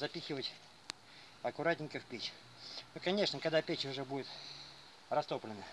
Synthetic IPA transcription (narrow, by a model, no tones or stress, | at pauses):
zɐpʲixʲɪvətʲ | ɐkʊɾatʲnʲɪ̃ŋʲkəfpʲet͡ɕ | nokɐnʲe̞ʂnəkɐɡd̪apʲet͡ɕʊʐɛbudʲɪt̪ | rɐst̪o̞plʲɪnə